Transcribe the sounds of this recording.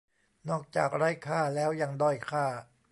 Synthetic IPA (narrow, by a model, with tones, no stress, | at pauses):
nɔː˥˩k̚t͡ɕaː˨˩k̚ɾaː˧˥˩jkʰaː˥˩lɛː˦˥wja˧ŋdɔː˧˥˩jkʰaː˥˩